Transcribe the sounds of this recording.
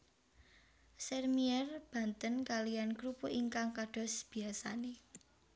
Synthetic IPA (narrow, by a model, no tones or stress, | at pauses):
sɛrmiɛrb̥ä̤nt̪ənkalijanɡɾupoʔiŋkaŋkaɖ̥ɔ̤sb̥i̤asane